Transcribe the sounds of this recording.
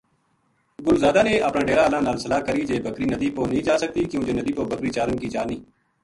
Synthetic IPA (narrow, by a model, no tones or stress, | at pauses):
ɡʊlzaːd̪aːneːʔəpnãːɖeːɾaːlãːnaːlsəlaːkəɾiːd͡ʒeːbəkɾiːnəd̪iːpoːnĩːd͡ʒaːsək̚t̪iːkjũːd͡ʒeːnəd̪iːpoːbəkɾiːt͡ʃaːɾənkiːd͡ʒaːniː